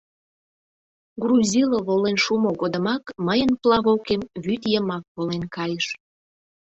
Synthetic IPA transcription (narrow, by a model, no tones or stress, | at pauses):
ɡruzʲiloβolenʃumoɣod̪ə̆mɑkməjənplɑβokemβyt̪jəmɑk̚polenkɑjəʃ